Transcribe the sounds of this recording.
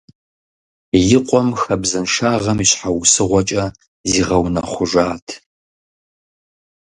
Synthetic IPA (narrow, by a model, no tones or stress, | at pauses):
jɪqʷʼɔmxɐbzɨnʂaːʁɐmiɕħawsɨʁʷɔt͡ʃʼɐ | ziːʁɐwnɐχʷʊʒʷaːtʰ